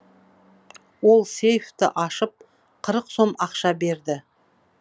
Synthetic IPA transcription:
wo̞lˠse̞jft̪ɪ̰ʔɑʃəp̚ | qʰəɾəqso̞mɑqʃɑbe̞ɾd̪ɪ

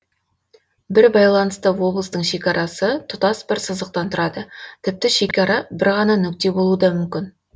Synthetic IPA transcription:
bɪɾbɑjlˠɑnəst̪əwo̞bləst̪əɴʃe̞kʲɑɾʔɑsət̪ʰʊt̪ɑsbɪɾsəzəq̚t̪ɑnt̪ʰʊɾɑd̪ət̪ʰɪp̚t̪ɪʃe̞kʲɑɾɑbɪɾʁɑnɑnʏk̚t̪e̞bo̞lˠud̪ɑmʏmkʲɪn

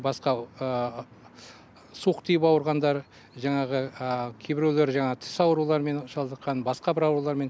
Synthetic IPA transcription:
bɑsqɑə | suqt̪ʰijɪpɑwəɾʁɑnd̪ɑɾ | ʒɑɴɑʁəkʲʰebɪɾewleɾʒɑɴɑʁt̪ʰɪ̥sɑwɾulˠɑɾme̞nʃɑlˠd̪əqːɑnbɑsqɑbɪɾɑwɾulˠɑɾme̞n

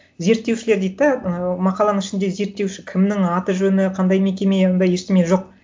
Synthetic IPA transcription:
ze̞ɾt̪ːe̞wʃɪle̞ɾd̪ejd̪ɪd̪ɑmɑqɑlˠɑnəŋɪʃɪnd̪e̞ze̞ɾt̪ːe̞wʃɪ̥kʲʰɪmnɪŋɑt̪əʒɵnɪqʰɑnd̪ɑjme̞kʲe̞meond̪ɑjeɾt̪ɪme̞nʒo̞q̚

